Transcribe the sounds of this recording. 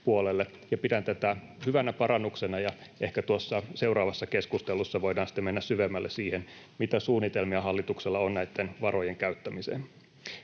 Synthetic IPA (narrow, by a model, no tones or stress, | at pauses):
puolelːe | jɑpidænt̪æt̪æ | hyʋænæpɑɾɑnːuksenɑjɑehkæt̪uosːɑse̞wrɑːʋɑsːɑkeskust̪elˑusːɑʋo̞idɑːnsi̥t̪ːemenːæssyʋemːælːesiːhen | mit̪æsuːnːit̪elmiɑɦɑlːit̪ukselːɑonnæit̪ːenʋɑrojeŋkæyt̪ːæmisḛːn